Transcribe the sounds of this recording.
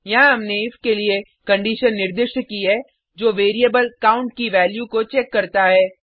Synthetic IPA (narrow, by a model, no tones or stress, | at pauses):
jɐɦãɦɐmneɪfkelie | kɐ̃ɳɖiːʃənːɪɾd̪ɪʃkiɦɛː | d͡ʒoːʋeːɾiəbəlkaːʊ̃ɳʈ̚kiʋɛːljukot͡ʃɛːkːɐɾt̪aɦɛː